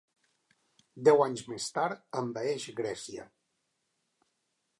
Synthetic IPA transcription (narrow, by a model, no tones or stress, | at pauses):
d̪ɛwaɲzmest̪aɾt̪əmbəɛʃɣɾɛsiə̰